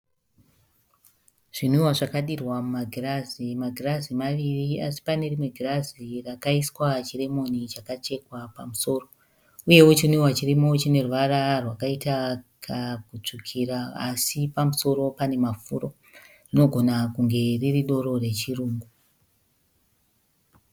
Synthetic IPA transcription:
ʐ̥inuiwaʐakaɗirwamumaɡʱirazimaɡʱirazimaʋiriasi̥pane̞rimwe̞ɡʱirazirakaiswat͡ʃire̞mo̞nit͡ʃakat͡ʃe̞kwapamuso̞ːro̞ | uje̞ut͡ʃiniwat͡ʃirimo̞t͡ʃine̞ruʋaɾarwakaitakʰakut͡ʂukʰiɾaasipamuso̞ɾo̞pane̞mafuːɾo̞ | rino̞ɡʱo̞nakuŋɡe̞ririɗo̞ɾo̞re̞t͡ʃiruːŋɡu

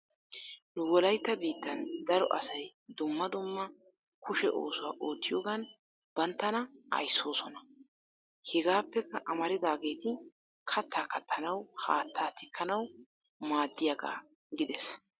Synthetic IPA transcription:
nʊwɔlɐjt̪ːɐbiːt̪ːɐnd̪ɐɾɔ̰ʔɐ̰sɐjd̪ʊmːɐd̪ʊmːɐ | kʊʃɛʔo̞ːsʊwaːʔo̞ːt̪ːɪjoːɡan | b̥ɐnt̪ːɐnɐʔɐ̰jsːo̞ːsɔnɐ | hɛɡaːpːɛkɐʔɐmɐɾɪd̪aːɡe̞ːt̪ɪ | kʰɐt̪ːaːkːɐt̪ʰːɐnɐwha̰ːt̪ʰːaːt̪ɪkʰːɐnɐw | maːd̪ːɪjaɡa̰ː | ɡɪd̪ɛs

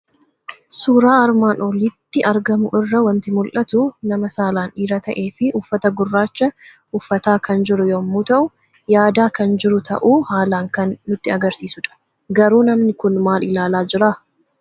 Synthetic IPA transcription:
suːɾaːɐɾmaːnoːliːt̪ːɪʔɐɾɡɐmʊʔɪrːɐwɐnt̪ɪmʊlʔɐt̪ʊnɐmɐsaːlaːniːɾɐt̪ɐʔe̞ːfɪʔʊfːɐt̪ɐɡʊrːaːt͡ʃːɐʔʊfːɐt̪aːkɐnd͡ʒɪɾʊjomːuːt̪ɐʔʊ | jaːd̪aːkɐnd͡ʒɪɾʊt̪ʰɐ̰ʔuːhaːlaːŋkɐnːʊt̪ːɪɐɡɐɾsiːsʊᶑɐ̥ | ɡɐɾuːnɐmnɪkʊnmaːlʔɪlaːlaːd͡ʒɪɾaː

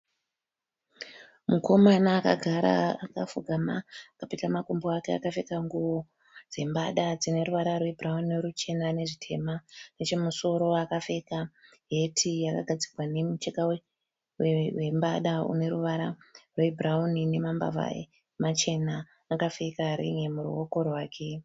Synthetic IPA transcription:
muko̞manaːka̰ɡʱaɾa̰aka̰fuɡʱamakapitamakomboakea̰kafe̞kaŋɡuʋo̞ | d͡ze̞mbaɗad͡zine̞ɾuʋaɾarwebʱrauniɾut͡ʃe̞nane̞ʐitʰe̞manet͡ʃe̞muso̞ɾo̞akafe̞ka | ɦe̞tʰijaka̰ɡʱad͡zirwane̞mut͡ʃekawe | wewe̞mbaɗaṵne̞ɾuʋaɾarwebʱraunine̞mamba̰va̰e | mat͡ʃe̞naː | kafe̞kaɾḭŋe̞muɾuwoko̞rwaːkʰe̞

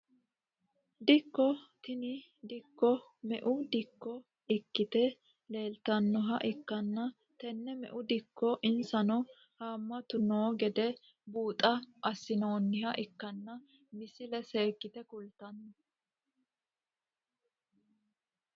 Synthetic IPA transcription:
d̪ɪkːɔt̪ɪnɪ | d̪ɪkːɔ | mɛʔʊd̪ɪkːɔ | ɪkːɪt̪ɛ | le̞ːlt̪ɐnːɔɦɐʔɪkːɐnːɐ | t̪ɛnːɛmɛ̰ʔʊd̪ɪkːɔʔɪnsɐnɔ | haːmːɐt̪ʊnoːɡɛd̪ɛ | buːt̪ʼɐʔɐsːɪnoːnːɪhɐʔɪkːɐnːɐ | mɪsɪlɛseːkːɪt̪ɛkʊlt̪ɐnːɔ

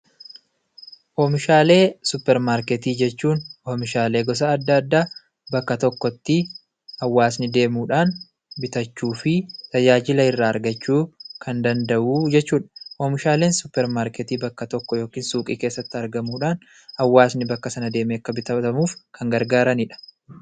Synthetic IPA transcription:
ʔoːmɪʃaːle̞ːsʊpːɛɾmaːɾkɛt̪iːd͡ʒɛt͡ʃːuːnoːmɪʃaːle̞ːɡɔs̬ɐɐd̪ːaːd̪ːaː | bɐkːɐt̪ɔkːɔt̪ːɪ | ɐwːaːsnɪd̪e̞ːmuːᶑaːn | bɪt̪ɐt͡ʃːuːfɪt̪ʰɐd͡ʒaːd͡ʒɪlɐɪrːaːɐɾɡɐt͡ʃːuːkʰɐnd̪ɐnd̪ɐʔuːd͡ʒɛt͡ʃːuːᶑɐ̥ʔoːmɪʃaːle̞ːnsʊpːɛɾmaːɾkɛt̪iːbɐkːɐt̪ɔkːɔjo̞ːkiːnsuːkʼiːke̞ːsːɐt̪ːɪɐɾɡɐmuːᶑaːn | hɐwːaːsnɪbɐkːɐsɐnɐd̪e̞ːmeːɐkːɐbɪt̪ɐɐmuːfkʰɐŋɡɐɾɡaːɾɐnɪᶑɐ̥

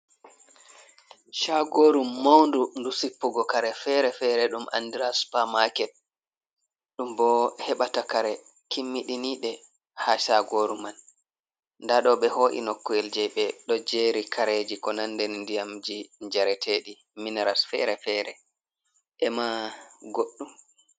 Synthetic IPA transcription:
ʃaɡoːɾumːawndundusipːuɡɔkaɾɛfɛɾɛfɛɾɛɗumʔa̰ndiɾaspamakɛt̚ | ɗumbɔhɛɓatakaɾɛ | kimːiɗiniːɗɛ | haʃaɡoɾuman | ndaɗɔɓɛhoːʔḭnɔkːɔjɛld͡ʒɛɓɛɗɔd͡ʒeːɾikʰaɾed͡ʒikɔnandɛndijamd͡ʒiɲd͡ʒaɾɛtʰeɗi | minɛɾasfɛ̰ɾɛfɛɾɛ | ʔɛmaɡoɗːum

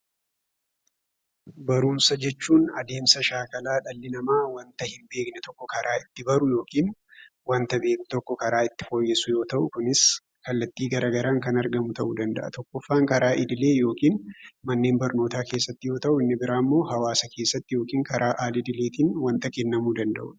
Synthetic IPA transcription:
bɐɾuːnsɐd͡ʒɛt͡ʃːuːnɐd̪e̞ːmsɐʃaːkɐlaːᶑɐlːɪnɐmaːwɐnt̪ɐhɪmbe̞ːknɛt̪ɔkːɔkɐɾʔaːɪt̪ːɪbɐɾʊjo̞ːkiːn | wɐnt̪ɐbeːkt̪ɔkːɔkɐɾaːɪt̪ːɪ̥fo̞ːjːɛsʊjo̞ːt̪ɐʔʊkʊnɪs | kɐlːɐt̪ːiːɡɐɾɐɡɐɾaːŋkɐnɐɾɡɐmʊt̪ɐʔud̪ɐnd̪ɐ̰ʔɐ̰t̪ɔkːɔfːaːŋkɐɾaːʔɪd̪ɪle̞ːjo̞ːkiːnmɐnːe̞ːnbɐɾno̞ːt̪aːke̞ːsːɐt̪ːɪjo̞ːt̪ɐʔʊɪnːɪbɪɾaːmːo̞ːɦɐwaːsɐke̞ːsːɐt̪ːɪjoːkiːŋkɐɾʔaːʔaːlɪd̪ɪle̞ːt̪iːnwɐnt̪ɐkɛnːɐmuːd̪ɐnd̪ɐ̰ʔʊ̰n

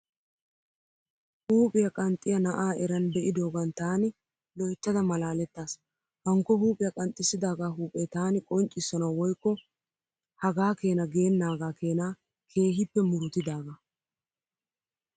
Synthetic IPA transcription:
huːpʼɪjɐkʼɐnt̪ʼːɪjɐnɐʔaːʔɛɾɐnb̪ɛʔɪd̪o̞ːɡɐnt̪aːnɪ | lɔjt͡ʃːɐd̪ɐmɐlaːlɛt̪ːaːs | hɐŋkːɔhuːpʼɪjɐkʼɐnt̪ʼːɪsːɪd̪aːɡaːɦuːpʼɛt̪aːnɪkʼɔnt͡ʃʼːɪsːɔnɐwɔjkːɔ | hɐɡaːke̞ːnɐɡe̞ːnːaːɡaːkʰe̞ːnaː | kʰe̞ːɦɪpːɛmʊɾʊt̪ɪd̪aːɡɐ

